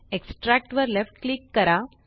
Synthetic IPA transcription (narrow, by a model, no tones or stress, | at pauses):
eksʈɾæk̚ʈʋəɾlefʈklikːəɾa